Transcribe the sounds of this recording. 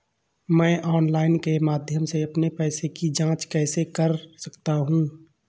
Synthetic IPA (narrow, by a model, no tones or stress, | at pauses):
mɛ̃ːʔɔːnlaːɪnkemaːd̪ʱjəmseɐpnepɛːsekid͡ʒãːt͡ʃkɛːsekəɾsəkt̪aɦũː